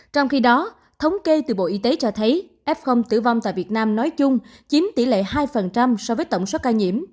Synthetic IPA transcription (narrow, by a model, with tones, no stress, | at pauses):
t͡ɕɔ˧wŋ͡mxi˧ɗɔ˨˦ | t̪ʰə˨˦wŋ͡mke˧t̪ɨ̰˧˨˩ɓo̰˧˨ʔi˧t̪e˨˦t͡ɕɔ˧t̪ʰə˨˦jʔɛ˦˥p̚xo˧wŋ͡mt̪ɨ̰˧˩va˧wŋ͡mt̪a̰ː˧˨jvi˨˩ət̚naː˧mnɔ˨˦jt͡ɕʊ˧ŋ͡m | t͡ɕi˨˦nt̪ḭ˧˩lḛ˧˨ɦaː˧jfə˨˩nt͡ɕa˧msɔ˧vəː˨˦jt̪ə˧˨wŋ͡msoː˦˥kaː˧ɲḭ˧˩əm